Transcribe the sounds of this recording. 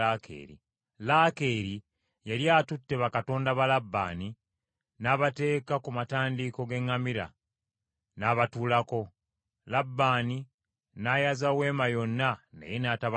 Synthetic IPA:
akʰḛːɾḭ | lake̞ːɾi | jaljaːtutːe̞βakato̞ːndaβalabːa̰ːni | naːβate̞ːkakumataːndiko̞ɡe̞ŋːamiɾa̰ | naːβatuːlako̞ | labːaːni | najazawe̞ːmajo̞nːanḛjenataβ

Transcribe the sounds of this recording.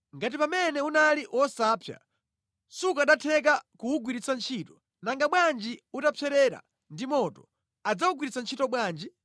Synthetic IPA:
ŋɡat̬ipamɛnɛunaliʔɔsaːpʰja̰ | sukaɗatʰɛk̬akuuɡwiɾit͡sant͡ʃʰitɔ̥ | naŋɡaɓwand͡ʒiutapʰɛɾɛɾa̰ | ndimɔtɔ | ad͡zauɡwiɾit͡sant͡ʃʰitɔɓwaːnd͡ʒi

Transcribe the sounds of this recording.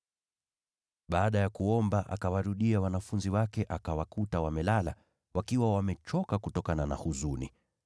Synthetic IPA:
ɓaːɗajakuɔmbaʔa̰kawaɾuɗiawanafunziwakɛʔakawakutawamɛlala̰ | wakiwawamɛt͡ʃɔkakutɔkanana̰huzunḭ

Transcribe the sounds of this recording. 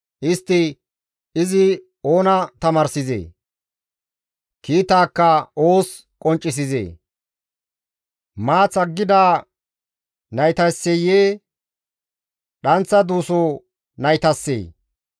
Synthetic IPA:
ʔɪst̪ːɪ | ɪzɪ | o̞ːnɐt̪ɐmaːɾsɪzḛː | kiːt̪aːkːɐoːs | kʼɔnt͡ʃʼːɪs̬ɪzḛː | maːt͡sɐɡːɪd̪aː | nɐjt̪ɐjsːɛjeː | ɗɐnt͡sːɐd̪uːsoː | nɐjt̪ɐsːḛː

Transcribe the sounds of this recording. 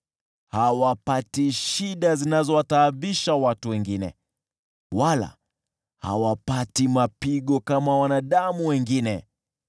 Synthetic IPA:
hawapatiʃiɗazinazɔwataːviʃawatuwɛŋɡinɛ̰ | wala̰ | ha̰wapatimapiɠɔkamawanaɗamuwɛŋɡinɛ

